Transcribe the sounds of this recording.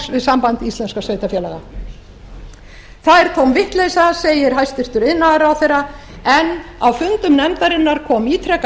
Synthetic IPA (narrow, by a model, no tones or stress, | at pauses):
vɪðsampant̪ist̪ɛnskasœːɥt̪afjɛːlɛɣa | θaðɛɾ̥kʰɔwmvɪht̪lejsaseːjɪɾ̥ɦajst̪ɪr̥t̪ʏɾɪðnːaɾawθejra | ɛnawfʏnt̪ʏmnɛmt̪aɾɪnːaɾkʰɔːmiːt̪ʰɾɛk